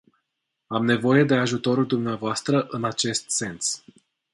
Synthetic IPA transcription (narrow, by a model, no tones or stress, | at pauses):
amne̞vo̞je̞d̪e̞aʒut̪o̞ɾuld̪umneavoast̪ɾəʔɨnat͡ʃe̞st̪se̞ns